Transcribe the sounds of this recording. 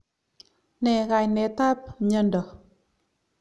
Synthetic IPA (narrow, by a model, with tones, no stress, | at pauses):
ne˧ɣa˧˨jne˧˨t̪a˦p̚ɲə˧ndə˨